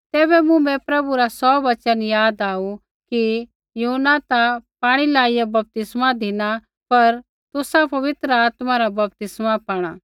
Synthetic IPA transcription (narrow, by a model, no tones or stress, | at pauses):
t̪ɛːβɛmũmɛ̃pɾɐbuɾasɔːbɐt͡ʃənjaːd̪aːu | ki | juɦnat̪apaːɽ̃ilaːɪjabɐp̚t̪ɪsmad̪ʱɪna | pɐɾ | t̪ʊsapɐʋɪt̪ɾəaːt̪mãɾabɐp̚t̪ɪsmapaːɽ̃aː